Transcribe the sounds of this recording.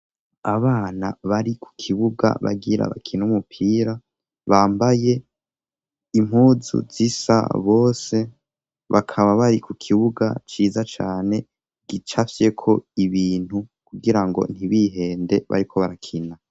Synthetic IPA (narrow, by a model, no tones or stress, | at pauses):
aβaːnaβaɾikʰu̥kʰiβuɡa̰βa̰ɡiɾa̰βa̰kʰinumupʰiːɾa | βaːmbaje̞ | im̥huːzṵzisa̰βo̞ːse̞ | βakʰaβaβaɾikukʰiβuɡa̰t͡ʃiːzat͡ʃaːne̞ | ɡit͡ʃafe̞kʰo̞iβiːn̥hukuɡiɾaŋɡo̞̰n̥hiβiɦe̞ːnde̞βa̰ɾikʰo̞βaɾakʰina